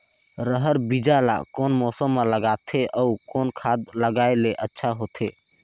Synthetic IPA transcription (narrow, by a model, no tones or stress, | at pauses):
ɾəɦəɾbid͡ʒala̰koːnmɔːsəmːeləɡat̪ʰeʔɔukoːnkʰad̪ləɡaeleʔətːʃʰaɦoːt̪ʰe